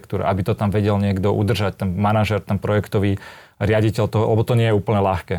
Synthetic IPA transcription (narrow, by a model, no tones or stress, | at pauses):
kt̪uːɾʔa̰bit̪ɔt̪amʋɛɟɛlɲɪɛɡd̪ɔʔṵd̪r̩ʒact̪ɛnmanaʒɛɾt̪ɛnpɾɔjɛkt̪ɔʋiː | ɾɪaɟicɛʎt̪ɔɦɔlɛbɔt̪ɔɲɪɛjɛuːpl̩ɲɛlaxkɛː